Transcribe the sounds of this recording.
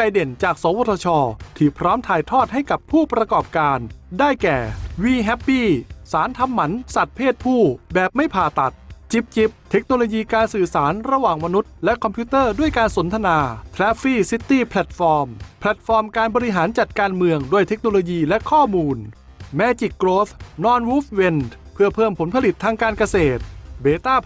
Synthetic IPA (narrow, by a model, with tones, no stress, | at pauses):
a˧jde˨˩nt͡ɕaː˨˩k̚so˩˦ŋwoː˧t̪ʰɔ˧t͡ɕʰɔː˧t̪ʰiː˧˩pʰɾɔː˦˥mt̪ʰaː˨˩jt̪ʰɔː˥˩t̪̚ɦa˥˩jka˨˩pʰːuː˥˩pɾa˧kɔː˨˩p̚kaː˧ndaː˥˩jkɛː˨˩wiː˧ɦɛ˦˥pːiː˥˩saː˩˦nt̪ʰa˧mːa˩˦nsa˨˩t̪̚pʰeː˥˩t̪̚pʰuː˥˩bɛː˨˩p̚ma˥˩jpʰaː˨˩t̪a˨˩t̪̚t͡ɕi˦˩p̚t͡ɕi˨˦˥p̚t̪ʰe˦˥k̚noː˧loː˧jiː˧kaː˧nsɯː˨˩saː˩˦nɾa˧waː˨˩ŋma˧nu˦˥t̪̚lɛ˦˥kʰɔ˧mpʰjuː˦˥t̪ɤː˥˩du˥˩əjkaː˧nso˩˦nt̪ʰa˧naː˧t̪ʰɾɛː˦˥fiː˥˩si˦˥t̪ːiː˥˩pʰlɛ˨˩t̪̚fɔː˧mpʰlɛ˨˩t̪̚fɔː˧mkaː˧nbɔː˧ɾi˧˥ɦaː˩˦nt͡ɕa˨˩t̪̚kaː˧nmɯ˧əŋdu˧˩əjt̪ʰe˦˥k̚noː˧loː˧jiː˧lɛ˦˥kʰɔː˥˩muː˧n | mɛ˦˥t͡ɕi˨˩kːɾoː˦˥fnɔː˦˥nwuː˦˥f̚we˧n | pʰɯ˥˩ɐpʰɤː˥˩mpʰo˩˦npʰa˧li˨˩t̪ʰːaː˧ŋkaː˧nka˧seː˨˩t̪̚beː˧t̪aː˥˩